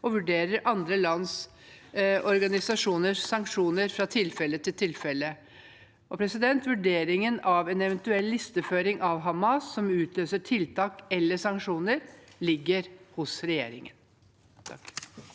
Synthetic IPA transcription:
ɔʋʉɖeːɾəɾʔɑnd̪ɾəlɑns | ɔɾɡɑnɪsɑʂuːnəɾsɑŋkʂuːnəɾfɾɑt̪ʰɪlfɛlːət̪ʰɪlt̪ʰɪlfɛlːə | ʔɔpʰɾɛsɪd̪ɛnt̪ʋʉɖeːɾɪŋənɑʋɛnɛʋɛnt̪ʉɛlːɪst̪əføːɾɪŋʔɑʋɦɑmɑsːɔmʉːt̪ʰløːsəʈʰɪlt̪ʰɑːkɛlːəʂɑŋkʂuːnəɾlɪɡːəɾhʊsɾɛjḛːɾɪ̰ŋən | tʰ

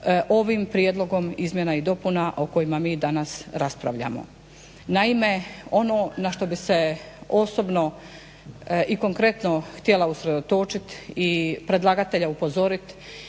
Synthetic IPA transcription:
ʔo̞ʋimpɾjed̪lˠo̞ɡo̞mizmjenaid̪o̞punaʔoko̞jimamiːd̪anasɾaspɾaʋʎa̰mo̰ | naime̞o̞no̞ːnaʃt̪o̞bise̞ | osobno̞ | ʔiko̞ŋkɾe̞t̪no̞xt̪je̞lausɾe̞d̪ot̪o̞t͡ʃit̪ipɾe̞d̪lˠaɡat̪e̞ʎaupo̞zo̞ɾit̪

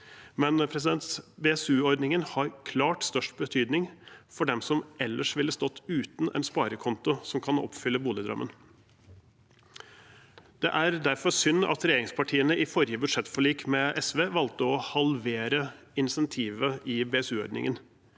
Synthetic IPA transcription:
mɛnpʰɾɛsɪd̪ɛnt̪beɛsʉːɔɾd̪nɪŋənhɑɾkʰlɑːʈst̪œʂʈbət̪ʰyːd̪nɪŋfɔɖɛmsɔmɛlːəʂʋɪlːəst̪ɔt̪ːʉːt̪n̩ʔɛ̰nspɑːɾəkʰɔnt̪ʊsɔmkʰɑnɔ̰pfʏlːəbuːlɪd̪ɾœ̰mːən | d̪̥ɛ̰ʔæɾd̪æɾfɔɾsʏnːɑ̰t̪ɾɛjeːɾɪŋspʰɑʈʰiːənəɪfɔɾjəbʉd̪ʂɛt̪ːfɔɭiːkmɛʔɛsʋeːʋɑlt̪əɔhɑlʋeːɾə | ɪnsɛnt̪ʰiːʋəɪbeːɛsʉːɔ̰ɾd̪nɪ̰ŋən

